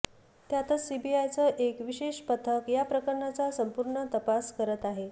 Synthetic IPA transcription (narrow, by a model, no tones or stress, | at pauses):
t̪jat̪ət͡ssibiajt͡səʔekʋiɕeɕpət̪ʰəkjapɾəkəɾɳat͡sasəmpuɾɳət̪əpaskəɾət̪aɦe